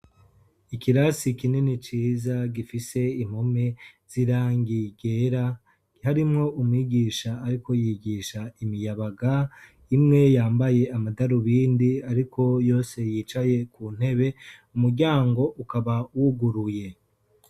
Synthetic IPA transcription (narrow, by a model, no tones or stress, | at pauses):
ikiɾasikinenit͡ʃiːzaɡifise̞im̥home̞z̥iɾaːŋɡiɡe̞ɾa | haɾimŋo̞ʔumwiːɡiːʃaːɾiko̞jiɡiːʃaimijaβaɡa | imŋe̞jaːmbaje̞amadaɾuβiːndiaɾiko̞jo̞ːse̞jiːt͡ʃaje̞kuːn̥e̞βe̞umuɾɟaːŋɡo̞ʔukaβawuɡuɾuje̞